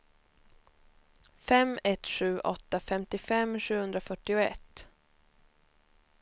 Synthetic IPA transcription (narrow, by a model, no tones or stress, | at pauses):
fɛmːɛt̪ɧʉ̟ːʔɔ̰t̪ːafɛmt̪ɪfɛmɧʉ̟ːhɵnd̪ɾafœʈːɪʊɛ̰t̪ː